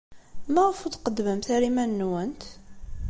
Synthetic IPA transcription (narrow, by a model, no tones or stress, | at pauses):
mæʁəfuθqəd̪ːməmθæɾimænːwənt̪